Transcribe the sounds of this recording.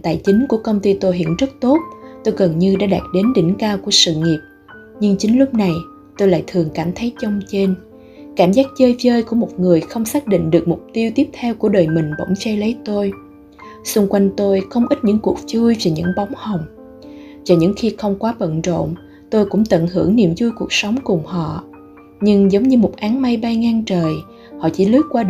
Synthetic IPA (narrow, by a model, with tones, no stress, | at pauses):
t̪a̰ː˧˨jt͡ɕï˨˦ŋ̟ku˧˩əkə˧wŋ͡mt̪i˧t̪o˧jɦḭ˧˨ənzə˦˥t̚t̪o˦˥t̚t̪o˧jɣə˨˩nɲɨ˧ɗa̰ː˧˥ɗaː˨˩t̚ɗe˨˦nɗḭ˧˩ŋ̟kaː˧wku˧˩əsɨ̰˧˨ŋi˨˩əp̚ | ɲɨ˧ŋt͡ɕï˨˦ŋ̟lʊ˦˥k͡p̚na˨˩j | t̪o˧jla̰ː˧˨jt̪ʰɨ˨˩əŋkaː˧˩mt̪ʰə˨˦jt͡ɕə˧wŋ͡mt͡ɕe˧n | kaː˧˩mzaː˦˥k̚t͡ɕəː˧jvəː˧jku˧˩əmo˨˩t̚ŋɨ˨˩əjxə˧wŋ͡msaː˦˥k̚ɗḭ̈˧˨ŋ̟ɗɨ˨˩ək̚m˨˩k͡p̚t̪i˧əwt̪i˦˥əp̚t̪ʰɛ˧wku˧˩əɗəː˨˩jmï˨˩ŋ̟ɓa̰˧˩wŋ͡mfɛ˨˧˦jlə˨˦jt̪o˧j | sʊ˧ŋ͡mkwa˧jŋ̟t̪o˧jxə˧wŋ͡mʔi˦˥t̚ɲɨ̰˧˥ŋku˨˩ək̚zu˧jve˨˩ɲɨ̰˧˥ŋɓa˨˦wŋ͡mha˨˩wŋ͡m | va˨˩ɲɨ̰˧˥ŋxi˧xə˧wŋ͡mkwaː˨˦ɓə̰˧˨nzo̰˧˨n | t̪o˧jkʊ̰˧˥ŋ͡mt̪ə̰˧˨nhɨ˧˩əŋnḭ˧˨əmzu˧jku˨˩ək̚sa˨˦wŋ͡mkʊ˨˩ŋ͡mhɔ̰˧˨ | ɲɨ˧ŋzə˨˦wŋ͡mɲɨ˧mo˨˩t̚ʔaː˨˦ŋma˧jɓa˧jŋaː˧ŋt͡ɕəː˨˩j | hɔ̰˧˨t͡ɕḭ˧˥lɨ˦˥ək̚kwaː˧ɗ